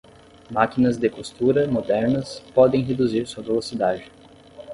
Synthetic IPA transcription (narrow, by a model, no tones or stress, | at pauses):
makinɐzd̪ɪkost̪uɾɐmod̪ɛɾnɐspɔd̪ẽj̃ɦed̪uziɾsuɐvelosid̪ad͡ʒɪ